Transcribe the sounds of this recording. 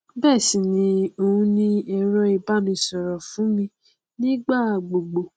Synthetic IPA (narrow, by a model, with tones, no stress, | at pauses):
bɛː˦˨sĩ˨nĩ˧o˧ũ˧˦nĩ˧ɛ˧ɾɔ˧˦i˧ba˦mĩ˧sɔ˨ɾɔ˨fũ˨˦mĩ˧ | nĩ˦ɡ͡ba˦˨ɡ͡bo˨ɡ͡bo˨